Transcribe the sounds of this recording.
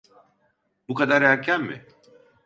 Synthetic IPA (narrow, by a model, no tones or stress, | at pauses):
bukad̪aɾækʰːæmmɪ̰